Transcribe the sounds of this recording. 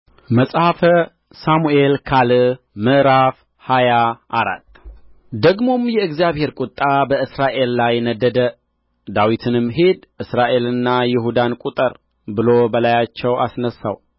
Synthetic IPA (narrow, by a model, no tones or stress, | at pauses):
məsʼhafə | samuʔelkʰalɨ | mɨʔɾaf | hajaʔaɾa̰t̪ː | d̪əɡmo̞mjɛɨɡzijaβhe̞ɾkʼʊt̪ʼːabəɨsɾaʔe̞lːajnəd̪ːəd̪ə | d̪awit̪ʰɨnɨmɦe̞d̪ʔɨsɾaʔe̞lɨnːajɪɦud̪ankʼut̪ʼəɾ | bɨlobəlajat͡ʃːɛwasnəsːa̰w